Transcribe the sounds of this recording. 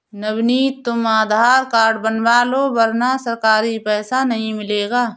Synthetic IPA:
nɐbniːt̪ʊmaːd̪ʱaːɾkaːɾɖbɐnʋaːloːbɐɾnasɐɾkaːɾipɛːsanɐɦĩmɪleːɡaː

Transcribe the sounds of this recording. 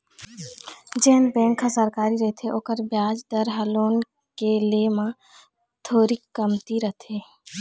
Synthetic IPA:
d͡ʒɛɦnbɛ̃ːŋkʰːasəɾkaːɾiɾəɦt̪ʰeʔoːkəɾbjaːd͡ʒd̪əɾɦəloːn | kelemã | t̪ʰoːɾiəmt̪iɾət̪ʰeː

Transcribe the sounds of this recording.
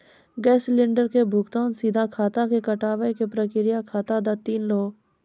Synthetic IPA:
ɡɛːslɪ̃ɳɖəɾkebʱʊkt̪aːnsiːd̪ʱakʰaːt̪akekəʈaːʋəekepɾəkɪɾɪjakʰaːt̪ad̪at̪iːnloː

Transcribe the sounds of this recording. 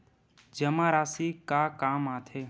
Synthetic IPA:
d͡ʒɐmaːɾaːsikakaːmaːt̪ʰeː

